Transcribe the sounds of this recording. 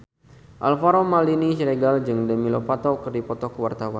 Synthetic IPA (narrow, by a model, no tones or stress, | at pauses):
ʔalfaɾomaliniʃɾeɡald͡ʒɨŋdəmilopat̪ɔkɨrdipɔt̪ɔkəwart̪awan